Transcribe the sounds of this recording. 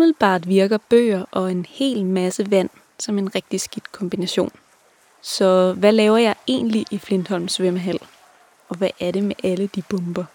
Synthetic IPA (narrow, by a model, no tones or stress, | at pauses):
umiðˠl̩b̥ɑ̰̈ːd̥ʋiɐɡ̥ɐb̥ø̰ːɐʔɒ̽e̝nhe̝̰ːlmæsəʋæn̰ | sɒ̽me̝nʁeɡ̥̚d̥isɡ̥id̥kʰɒ̽mb̥inæɕo̝̰ːn | sɒ̽ʋælɛːʊɐjɑ̈ɪe̝̰ːnliʔifle̝nd̥hɒ̽l̰msʋeməɦæl̰ | ɒ̽ʋæʔæɐɾe̝meʔæləd̥ib̥ɔ̽mb̥ɐ